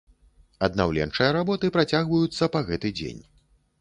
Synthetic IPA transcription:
ɐd̪nawlʲɛ̰nt͡ʂɐjɐɾabɔt̪ɨpɾat͡sʲaɣvɐjut̪sːɐpaɣɛt̪ɨd͡zʲḛnʲ

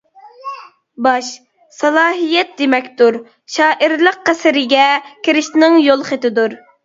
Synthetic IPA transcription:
bɑʃ | sɑlˠɑːɦijɛt̪̚d̪emɛkʲt̪uɾ | ʃɑːʔiɾlˠəq̚qæsɪɾɪɡʲɛkʲʰɪɾɪʃnɪŋjolˠχet̪ɪd̪uɾ

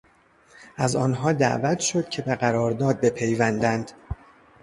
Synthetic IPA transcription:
ʔæzɒːnɦɒːd̪æ̰ʔvæt̪ʰʃo̞d̪̥cʰe̞beɣæɾɒːɾd̪ɒːd̪̚be̞pʰe̞jvænd̪ænd̪̥

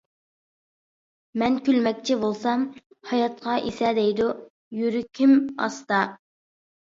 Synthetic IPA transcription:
mɛnkʲylmɛk̚ʲt͡ʃʰɪbolˠsɑm | hɑjɑt̪̚qʰɑʔisɛd̪ɛjd̪u | jyɾykʲʰimɑ̰st̪ɑ

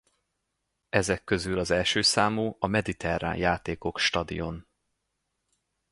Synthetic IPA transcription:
ɛzɛkːø̞zylɒzɛlʃøːsaːmoːɒmɛd̪it̪ʰɛra̰ːnjaːt̪eːko̞kʃt̪ɒd̪ḭjo̞n

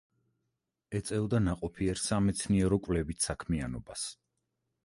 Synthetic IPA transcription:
ɛt̪sʼɛvd̪anaqʼɔpʰiɛɾsamɛt̪sʰniɛɾɔkʼvlɛbit̪sakʰmianɔbas

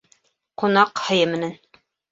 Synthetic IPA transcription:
qunɑqhɤ̆jɤmɘ̆næn

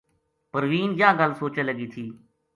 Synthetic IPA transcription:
pəɾʋiːnjãːɡəlsoːt͡ʃə̃ləɡiːt̪ʰiː

